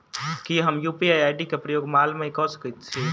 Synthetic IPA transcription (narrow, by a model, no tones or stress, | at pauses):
kiɦəmjupiajaːjɖikepɾəjoːɡmalmeikɔsə̥kət̪̚t͡ʃʰi